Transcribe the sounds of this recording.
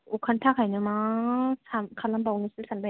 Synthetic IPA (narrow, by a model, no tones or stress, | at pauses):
ukʰantʰakʰajnɯmasamkʰalambawnisɯsanba